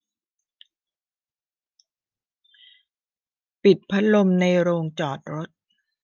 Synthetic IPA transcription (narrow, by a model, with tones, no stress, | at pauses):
pi˨˩t̪̚pʰa˦˥t̪̚lo˧mna˧jɾoː˧ŋt͡ɕɔː˨˩t̪̚ɾo˦˥t̪̚